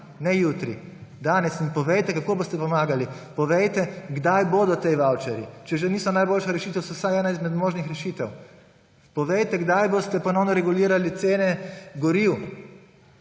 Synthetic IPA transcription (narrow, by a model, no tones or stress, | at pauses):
nɛjut̪ɾḭd̪aːnɛsinpɔʋejt̪ɛkakoːboːst̪ɛpɔmaːɡalipɔʋejt̪ɛɡd̪ajboːd̪ɔt̪ejʋawt͡ʃɛɾjḭt͡ʃɛʒeniːsɔnajboːlʃaɾɛʃiːt̪ɛwsɔwsajɛːnaizmɛd̪moːʒnixɾɛʃiːt̪ɛw | pɔʋejt̪ɛɡd̪ajbost̪ɛpɔnɔwnɔɾɛɡuliːɾalit̪seːnɛɡɔɾiw